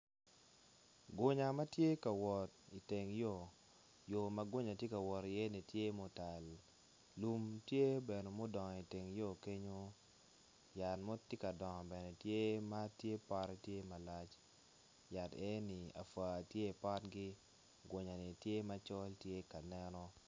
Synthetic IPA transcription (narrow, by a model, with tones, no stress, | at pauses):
ɡo˨ɲa˨ma˦tje˦ka˨wɔ˨ti˨te˨ŋjo˦˨ | jo˨ma˦ɡwo˦ɲa˨tje˦ka˨wɔ˨ɾi˨je˦ni˨tje˦mo˨˦ta˨lː | u˨mtje˦bɛ˨no˨mo˦dɔ˨ŋɔ˨i˨te˨ŋjo˦˨ke˦ɲo˦ | ja˨tmo˦te˦ka˨dɔ˨ŋɔ˨bɛ˨nɛ˨tje˦ma˦tje˦pa˦ɾɛ˦tje˦ma˨la˦t͡ʃ | ja˨tɛ˦ni˨a̰˨fa˨tje˦˨pa˦tɡi˦ | ɡwo˨ɲa˨ni˨tje˦ma˦t͡ʃɔ˦ltje˦ka˨nɛ˦nɔ˦